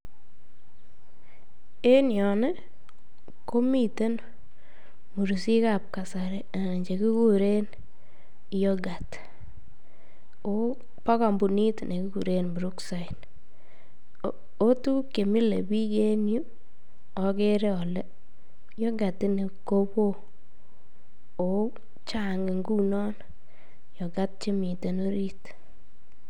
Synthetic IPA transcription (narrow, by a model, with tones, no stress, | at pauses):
e˦njɔ˨nɛ˦ | ko˦mi˦˨te˦n | mu˨ɾu˨si˦ka˨p̚ka˨sa˨ɾe˨a˨ɲd͡ʒe˨ki˦ku˦ɾe˦n | jɔ˦ɡa˨t | o˦ | pa˦ka˨mbu˨ni˦tne˨ki˦ku˨ɾe˦nbu˨ɾu˦ksa˨jn | o˦tu˦ke˨mi˦le˨bi˦ke˦nju˦ | ɔ˨ke˦ɾe˦ɔ˨lɛ˦ | jɔ˦ɡa˨tɪ˦ni˨ko˦bo˦ | o˨ | t͡ʃa˦ŋe˨ŋɡu˦nɔ˦n | jɔ˨ɡa˦t̚t͡ʃe˦mi˨te˨no˦ɾi˦t